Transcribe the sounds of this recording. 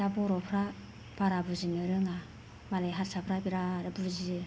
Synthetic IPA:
dabɔɾɔpʰɾa | b̥aɾabuzimɯɾɯŋa | malajɦaɾsapʰɾabiɾaɾabuzi

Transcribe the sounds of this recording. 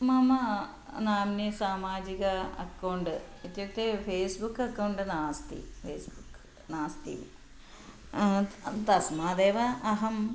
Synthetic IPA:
mɐmɐ | naːmnisaːmaːd͡ʑiɣɐɐ̰kːɐwɳɖɨit̪jɐkt̪ːefʰeːsbukːɐkːɐwɳɖɨnaːst̪ḭfʰeːsbukː | naːst̪ḭ | t̪ɐsmaːd̪eːʋɐːɦɐm

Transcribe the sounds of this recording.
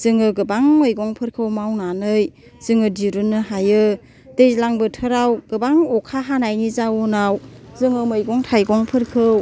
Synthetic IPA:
z̥ɯŋɯɡɯbaŋmɯjɡɔŋpʰɯɾkʰɯwmawnanɯj | z̥ɯŋɯdiɾunːɯɦajɯ | dejzlaŋbɯtʰɯɾawɡ̥ɯbaŋɔkʰaɦanajnizawɔnawzɯŋɯmɯjɡɔŋtʰajɡɔŋpʰɯɾkʰɯw

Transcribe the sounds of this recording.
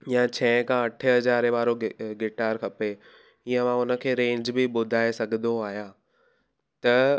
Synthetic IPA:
jãt͡ɕʰɛ̃kʰãɐʈʰəɦɐzaːɾeʋaːɾoɡɪʈaːɾkʰɐpe | iə̃ʋãʊnə̆kʰeːɾẽːɲd͡ʑbɪɓʊd̪ʱaːesɐɡʱə̃nd̪oaːɦjaː | t̪ɐ

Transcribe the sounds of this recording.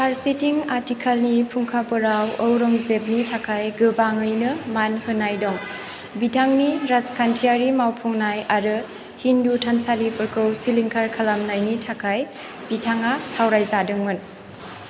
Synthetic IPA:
pʰaɾsetiŋatikʰalnipʰuŋkʰapɯɾawowɾɔŋzep̚nitʰakʰajɡɯbaŋɯjnɯmanhɯnːajdɔŋ | bitʰaŋniɾaskʰantʰiaɾimawpʰɔŋnajaɾɯ | hindutʰansalipʰɯɾkʰɯwsiliŋkʰaɾkʰalamnajnitʰakʰaj | b̥itʰaŋasawɾajzadɯŋmɯn

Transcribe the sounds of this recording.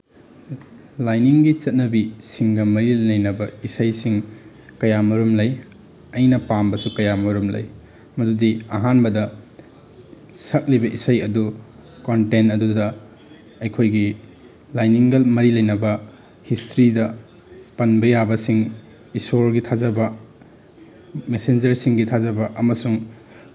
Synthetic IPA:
lajniŋɡit͡ʃɐt̚nɐbisiŋɡɐmɐɾilɐjnɐbɐisɐjsiŋ | kɐjamɐɾumlɐj | ɐjnɐpambɐsukɐjamɐɾumlɐ̰j | mɐdudiɐɦanbɐdɐ | sɐk̚libɐʔisajɐdu | kontenɐdudɐ | ɐjkʰojɡi | lajniŋɡɐlmɐɾilɐjnɐbɐ | histɾidɐ | pɐnbɐjabɐsiŋ | isoɾɡitʰazɐbɐ | mesend͡ʒɐɾsiŋɡitʰazɐbɐʔɐmɐsuŋ

